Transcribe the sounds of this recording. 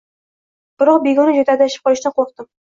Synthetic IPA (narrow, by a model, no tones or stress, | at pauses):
b̥ɪɾɒq̚beɡʲɒnɪd͡ʒot̪ʰad̪ajʃɪ̥p̚qʰɒlɪʃnaqʰoqd̪ɪm